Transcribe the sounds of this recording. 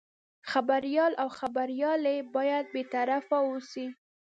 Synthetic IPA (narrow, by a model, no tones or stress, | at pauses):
xabaɾjɑlawxabaɾjɑlebɑjad̪̚bet̪aɾafawosi